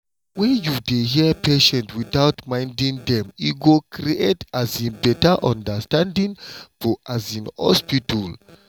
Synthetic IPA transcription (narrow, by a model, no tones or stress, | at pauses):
wɛ̃njudeɦiəpʰeʃɛ̃ntwiθawtmãj̃ndĩŋdɛ̃miɡokʰɾietazĩnbɛtəʔãndəstãndĩŋfɔʔazĩnhɔ̰spitɔl